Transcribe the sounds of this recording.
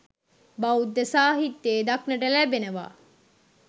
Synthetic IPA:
bɐud̪ːəsaːɦit̪ːeːd̪ɐknəʈəlæbenəʋa̰ː

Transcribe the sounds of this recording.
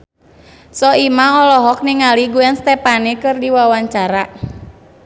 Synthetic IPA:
sɔimamɔlɔɦɔk̚niŋaliɡuɛnst̪ɛpanikɨrdiwawaɲt͡ʃaɾa

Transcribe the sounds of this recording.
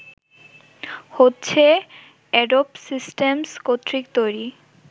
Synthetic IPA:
hotːɕʰe | ɛɖopsisʈemskot̪ɾik̚t̪ojɾi

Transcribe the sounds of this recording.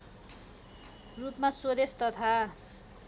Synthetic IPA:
rupmaswod̪est̪ʌt̪ʰa

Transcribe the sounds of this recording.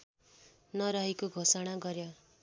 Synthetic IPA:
nʌɾʌɦekoɡʱosʌɽ̃aɡʌɾjo

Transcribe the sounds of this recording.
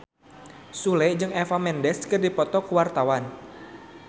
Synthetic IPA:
sulɛd͡ʒɨŋɛfamɛndɛskɨrdipɔt̪ɔkəwart̪awan

